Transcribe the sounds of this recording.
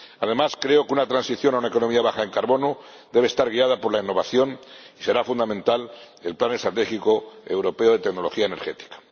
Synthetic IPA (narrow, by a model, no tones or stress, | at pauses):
að̞e̞maskɾe̞okeunat̪ɾansiθjo̞naunae̞ko̞nomiaβaxaeŋkaɾβo̞no | d̪e̞β̞est̪aɾɣ̞iað̞apo̞ɾlainːo̞βaθjo̞n | ise̞ɾafund̪amẽ̞nt̪al | e̞lplanest̪ɾat̪exiko̞ḛwɾo̞pe̞oð̞e̞t̪e̞ɡno̞lo̞xiaene̞ɾxe̞t̪i̥kḁ